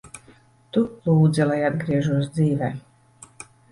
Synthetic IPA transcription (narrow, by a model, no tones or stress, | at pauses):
t̪ulˠuːd̪zɛlˠajad̪ɡɾiɛʒuɔs̬d̪ziːvʲɛ